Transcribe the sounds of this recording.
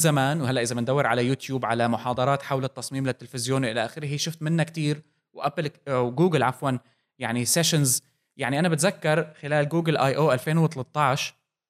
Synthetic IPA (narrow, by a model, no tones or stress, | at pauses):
zamaːnwhalːaʔɪzabɪnd̪awːɪɾʕalajuːt̪juːbʕalamʊħɑːd̪ˤɑɾˤɑːt̪ħawlɪt̪ːɑsˤmiːmlɪt̪ːɪlfɪzjoːnʔɪlaʔaːxɪɾɪhiːʃʊft̪mɪnːakt̪iːɾ | wʔaplɡuːɡɪlʕafwan | jaʕniseʃɪnz | jaʕniʔanabɪt̪zakːɑɾˤxɪlaːlɡuːɡɪlʔajʔoːʔalfeːnwt̪ɑlɑt̪ˤːɑʕʃ